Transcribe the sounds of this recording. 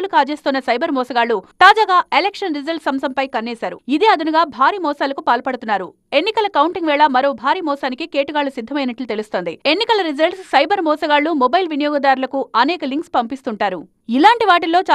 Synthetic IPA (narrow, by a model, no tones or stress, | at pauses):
lukaːt͡ʃeːst̪unːɐsɐjbɐɾmɔːsɐɡaːɭːut̪aːd͡ʒaːɡaːelekʂɐnɾid͡ʒɐlʈsɐmsɐmpɐjkɐnːɛːsaːɾṵid̪eɐd̪unuɡaːbʱaːɾiːmɔːsaːlɐkupaːlpɐɽut̪unːaːɾu | e̞nːikɐlɐkɐwuɳʈiŋɡʋɛːɭɐmɐɾo̞ːbʱaːɾiːmɔːsaːnikikeːʈuɡaːɭːusid̪ʱːɐmɐjnɐʈlut̪e̞lust̪oːnd̪ie̞nːikɐlɐɾid͡ʒɐlʈssɐjbʱɐɾmɔːsɐɡaːɭːumɔbɐjlʋinijɔːɡɐd̪aːɾulɐkuɐnɛːkɐliŋkspɐmpist̪uɳʈaːɾu | ilaːɳʈiʋaːʈ̬ilo̞ːt͡ʃa